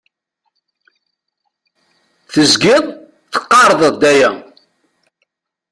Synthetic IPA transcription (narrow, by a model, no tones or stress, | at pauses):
θəzɡɪðˤ | θə̥qːɑɾˤðˤəðˤd̪æjæ